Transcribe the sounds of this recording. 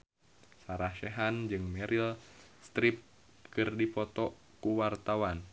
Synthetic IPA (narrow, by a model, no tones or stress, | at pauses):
saɾahʃɛɦand͡ʒɨŋmɛɾʔilst̪ɾip̚ | kɨrdipɔt̪ɔ | kuwart̪awan